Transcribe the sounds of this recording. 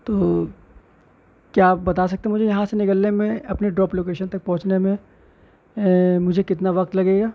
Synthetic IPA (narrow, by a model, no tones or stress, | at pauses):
t̪oː | kjaːpbɐt̪aːs̬ɐk̚t̪eɦɛmʊd͡ʒʱejɐɦãsenɪkəlːemẽɐpneɖɾɔːploːkeːʃənt̪ɐk̚pɐ̃ɦʊ̃t͡ʃnemẽ | mʊd͡ʒʱekɪt̪naʋɐk̚t̪lɐɡeːɡaː